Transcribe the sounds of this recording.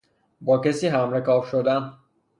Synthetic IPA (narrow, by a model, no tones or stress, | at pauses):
bɒːcesiːɦæmɾekʰɒːbʃod̪æn